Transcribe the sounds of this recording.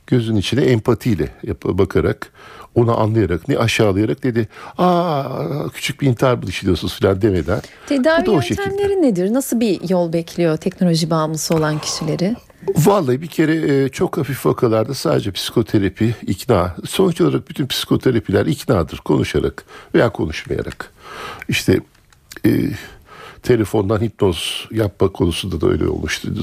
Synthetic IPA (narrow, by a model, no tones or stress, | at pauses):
ɟ̥øzynynit͡ʃʰinɛɛmpʰat̪ʰijlʲɛ̰japʰbakʰaɾako̞naʔa̰nlˠajaɾaknɛ̰ʔaʃaːlˠajaɾak̚d̪e̞d̪ɪaː | cʰy̥t͡ʃʰyc̚biːnt̪ʰaɾbɯlˠiʃlʲijo̞sunuzfilʲand̪eme̞d̪æn | t̪ʰed̪aːiooʃecilʲmlʲeɾinːed̪iɾnasɯlˠbijolˠbɛcʰlʲijo̞t̪ʰɛcno̞lʲo̞ʒibaːmlˠɯsɯo̞lˠancʰi̥ʃilʲe̞ɾɪ | valˠːajbicʰe̞ɾɛt͡ʃʰo̞khafifːakʰalˠaɾd̪asaːd̪ed͡ʒɛpʰsi̥kʰo̞t̪ʰeɾapʰiicnaːso̞nt͡ʃoaɾak̚byt̪ʰynpʰsi̥kʰo̞t̪ʰeɾapʰilʲæɾicnaːd̪ɯɾ̥kʰo̞nuʃaɾa̰kvejaːkʰo̞̰nuʃma̰ja̰ɾa̰kiʃt̪ʰɛ̰ː | t̪ʰe̞lʲe̞fo̞nd̪anhit̪̚no̞z̥jap̚makʰo̞nusund̪ad̪aø̰lʲḛo̰lˠmuʃt̪ʰṵjd̪u